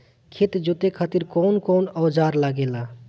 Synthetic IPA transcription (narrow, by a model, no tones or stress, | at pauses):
kʰet̪d͡ʒot̪ekʰat̪iɾkɔnkɔːnɔwd͡ʒaɾlaɡela